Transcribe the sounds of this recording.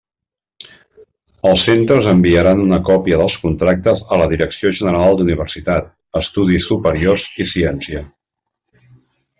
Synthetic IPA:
əlˠsent̪ɾəzəmbiəɾanunəkɔpiəðəlˠskunt̪ɾak̚t̪əzələðiɾəksioʒənəɾalˠd̪uniβ̞əɾsit̪at̪̚ | əst̪uð̞isːupəɾiorzisiɛnsiə

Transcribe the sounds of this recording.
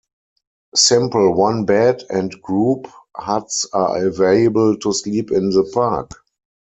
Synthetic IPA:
sɪ̃mpl̩wãnbɛdɛ̃ntɡ̥ɹuːphatsaʔəveɪəbəltʰusliːpɪ̃nðəpʰak

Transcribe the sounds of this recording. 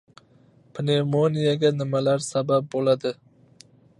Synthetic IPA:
pʰnemonijaɡʲanɪmalaɾsabap̚bolad̪ɪ

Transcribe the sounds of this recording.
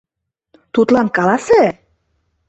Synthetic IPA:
t̪ut̪lɑnkɑlɑse

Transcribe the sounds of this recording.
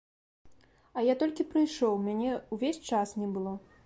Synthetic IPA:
ɐjat̪ɔlʲkʲipɾɨjʂɔwmʲanʲɛuvʲesʲt͡ʂasnʲɛbɨlˠɔ

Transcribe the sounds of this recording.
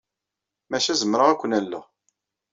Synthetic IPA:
mæʃæzəmːɾəʁækʷːənælːə̰ʁ

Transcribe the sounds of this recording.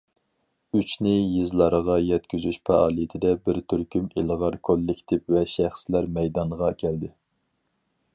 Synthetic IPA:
yt͡ʃnɪjizlˠɑɾəʁɑjɛt̪kʲyzyʃpʰɑʔɑlˠijt̪ʰɪd̪ɛbɪɾt̪ʰyɾkʲymiləʁɑɾkʰolːɪkʲt̪ʰɪpvɛʃæχslæɾmɛjd̪ɑɴʁɑkʲʰæld̪ɪ

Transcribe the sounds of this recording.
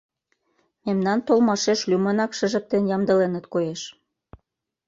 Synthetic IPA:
memnɑnt̪olmɑʃeʃlymɤnɑkʃə̆ʒə̆k̚t̪enjɑmd̪ə̆lenə̆t̪kojeʃ

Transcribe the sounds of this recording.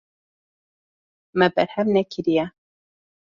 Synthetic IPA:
mɛbɛɾhɛmnɛkʰɪɾijɛ

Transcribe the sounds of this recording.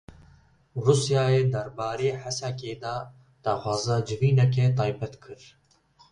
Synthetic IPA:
ɾusjaːeːd̪ɐɾbaːɾeːħasakeːd̪aː | d̪̥axaːzad͡ʒɪviːnɛk̬eːt̪aːjbɛt̪kʰɨɾ

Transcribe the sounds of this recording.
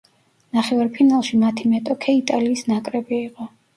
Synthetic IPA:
naχɛvaɾpʰinalˠʃimat̪ʰimɛt̪ʼɔkʰɛit̪ʼaliːsnakʼɾɛbiːqʼɔ

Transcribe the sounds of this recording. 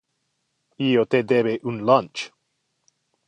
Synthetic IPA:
ijot̪ed̪ebeʔunlant͡ʃ

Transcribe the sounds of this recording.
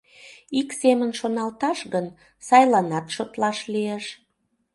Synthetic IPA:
iksemənʃonɑlt̪ɑʃɣən | sɑjlɑnɑt̪ʃot̪lɑʃlieʃ

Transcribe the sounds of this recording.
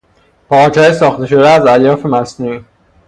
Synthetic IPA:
pʰɒɾt͡ʃhɒːjesɒːxt̪e̞ʃo̞d̪eæzæljɒːfe̞mæsnui

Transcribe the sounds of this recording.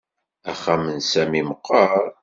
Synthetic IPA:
æχæmənsæmiməqːɑɾˤ

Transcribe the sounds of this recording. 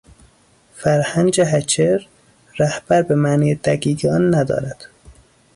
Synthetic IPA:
fæɾhænd͡ʒeɦæt͡ʃʰeɾː | æhb̥æɾbemæːniːjed̪æɡiːɡeɒnːæd̪ɒ̰ːɾæd̪̥

